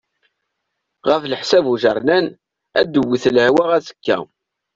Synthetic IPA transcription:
ʁəfləħsævuʒəɾˤnæn | æd̪əwːiθləʕwaʁæsə̥kːæ̰

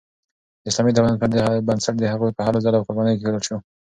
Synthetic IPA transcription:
ɪslɑmit̪awanat̪̚pəd̪əbansaʈ̚d̪əɦaqupəhaɾozalawqʊɾbɑnəjokepelalʃo

